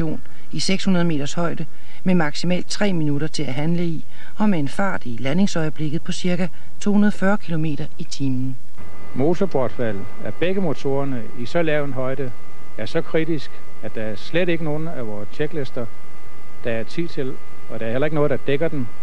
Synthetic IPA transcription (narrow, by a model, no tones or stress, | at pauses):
o̝̰ːn | iseɡ̥shunɐðˠme̝̰ːd̥ɐshɒ̽ɪ̰d̥ə | memɑ̈ɡ̥simɛ̰ːld̥̚t͡sʰʁɛ̰ːminuɾ̥ɐt͡sʰe̝læɦænləi | ɒ̽meenfɑ̈ːd̥ilæne̝ŋsɒ̽ɪəb̥le̝ɡ̥ð̩ˠpʰɒ̽siɐɡæ | t͡sʰo̝̰ːhunɐð̞ˠɒfɶɐkʰilo̝me̝̰ːɾ̥ɐit͡sʰiːmn̩ | mo̝ːt͡sʰɒb̥ɒd̥fæl̰ | æb̥eɡ̥əmo̝t͡sʰo̝̰ːɐnə | isɒ̽lɛʊ̰n̩ɦɒ̽ɪd̥ə | æɐsɒ̽kʰʁid̥isɡ̥ | æd̥d̥ɑ̈æɐsleɾ̥e̝ɡ̥əno̝ːn̩æʋɒːst͡ɕʰeɡ̥lesd̥ɐ | d̥ɑ̈æɐt͡sʰið̰ˠt͡sʰe̝l | ɒ̽d̥ëæɐhelɐe̝ɡ̥ənɔːð̩ˠd̥ɑ̈d̥eɡ̥ɐd̥en